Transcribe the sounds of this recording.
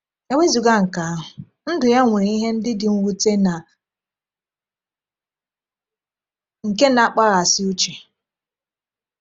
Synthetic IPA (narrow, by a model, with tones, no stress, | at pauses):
e˨we˦zu˨ɡa˦ŋ̩˨ka˨a˦ɦʊ˨ | n̩˦dʊ˨ja˦ŋʷe˨ɾi˦ɦe˦n̩˦dɪ˦dɪ˨ŋ̩˦wu˦te˦na˨ | ŋ̩˨ke˦na˦˨k͡pa˦ɣa˨sɪ˦u˦t͡ʃi˨